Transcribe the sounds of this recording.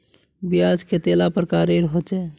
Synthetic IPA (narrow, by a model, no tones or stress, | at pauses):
bijad͡ʒket̪elapəɾkaɾeɾɦot͡ʃɛ